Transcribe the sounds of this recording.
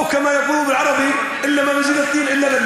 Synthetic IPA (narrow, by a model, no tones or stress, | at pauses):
kamajafuːðubɪlʕɑɾˤɑbi | ʔɪlːamabɪd͡ʒɪd̪ɨt̪ˤːiːnʔɪlːalɪnː